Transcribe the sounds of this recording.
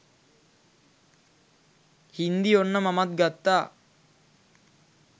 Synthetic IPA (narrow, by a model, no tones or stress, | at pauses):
hind̪ionːəmamat̪̚ɡat̪ːaː